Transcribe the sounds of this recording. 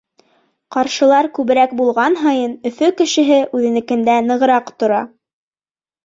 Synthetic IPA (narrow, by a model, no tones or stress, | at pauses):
qɑɾʃɤ̆lˠɑɾkʉβɘ̆ɾæk̚bulˠʁɑnɦɑjɤnɵ̆fɵkɘ̆ʃɘ̆ɦɘʔʉðɘ̆nɘ̆kɘ̆nd̪ænɤ̆ʁɤ̆ɾɑqt̪ŏɾɑ